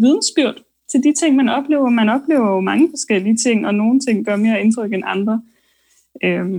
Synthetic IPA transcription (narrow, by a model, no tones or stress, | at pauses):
ʋið̞ˠn̩sb̥yɐ̰d̥ | t͡sʰe̝ld̥it͡sʰe̝ŋ̰mænɒ̽b̥le̝̰ːʊɐmænɒ̽b̥le̝ːʊɐomɑ̈ŋəfɒ̽sɡ̥el̰iət͡sʰe̝ŋ̰ɒ̽no̝ːn̩t͡sʰe̝ŋ̰ɡ̥ɶɐme̝ːɐe̝nt͡sʰʁœɡ̥enɑ̈nd̥ʁɐ | ø